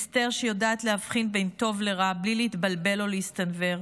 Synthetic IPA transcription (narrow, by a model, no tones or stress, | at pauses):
ste̞ʁʃejodaːt̪lehafχinbe̞jnto̞vle̞ʁablileit̪balbe̞lo̞list̪anve̞ʁ